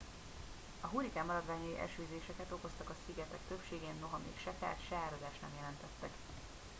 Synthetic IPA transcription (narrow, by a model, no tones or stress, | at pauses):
ɒɦuɾikaːmːɒɾɒd̪ʋaːɲɒjiʔɛ̰ʃøːzeːʃɛkɛt̪o̞ko̞st̪ɒkɒsiɡɛt̪ɛkt̪øpʃeːɡeːnːo̞ɦɒmḛːkʃɛfa̰ːt̪ʃɛaːɾɒd̪aːʃt̪nɛ̰mjɛlɛnt̪ɛt̪ːɛk